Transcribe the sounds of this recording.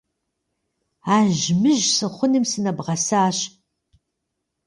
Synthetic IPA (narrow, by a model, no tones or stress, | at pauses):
aːʒmɨʒsɨχʷʊnɨmsɨnɐbʁɐsaːɕ